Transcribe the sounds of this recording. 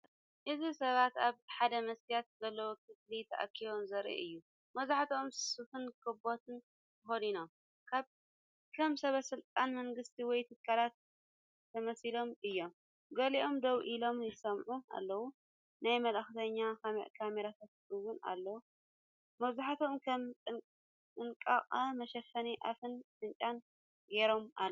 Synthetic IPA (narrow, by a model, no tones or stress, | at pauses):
ʔɨzisɐβat̪aβħad̪ɐmɐsijat̪̚zɐlːɐwokʰɨslit̪ʰɐʔa̰kʰːiβomzɐɾḭʔɨjːu | mɐzaħat̪ʰomssɨfɨnkʰɨbot̪ʰɨn | k̪ʰɨxod̪ino̞m | kʰaβ | lomsɐβɐsɨlt̪ʼanmɐŋɡɨst̪ʰiwɔjt̪ʰɨkʰːalat̪̚ʰː | ɐmɐsilo̞mɨjːo̞m | ɡɐliʔo̞md̪ɐβʔilo̞mjɨsɐmʕuʔa̰lːɐwu | najmɐlɐxt̪ʰɐɲːakʰamḛʔkʰameɾat̪ʰat̪ɨwʊna̰lːɐwu | mɐβzaħat̪ʰo̞mkʰɐmʼɨ | ɨŋkʼa̰kʼmɐʃɐfɐniʔa̰fɨnʃɨnt͡ʃʼan | ɡeɾo̞mʔa̰l